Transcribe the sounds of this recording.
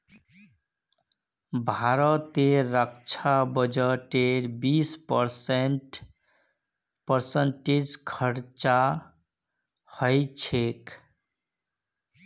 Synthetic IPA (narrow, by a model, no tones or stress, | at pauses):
bʱaɾət̪eɾək̚t͡ʃʰabəd͡ʒəʈeɾbispəɾsenʈ | pəɾsəɳʈed͡ʒkʰəɾt͡ʃa | həjt͡ʃʰek